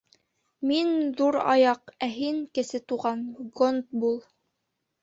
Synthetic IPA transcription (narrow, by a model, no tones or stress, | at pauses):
minðuɾɑ̰jɑqæɦiŋkɘ̆sɘt̪uʁɑnɡont̪bulˠ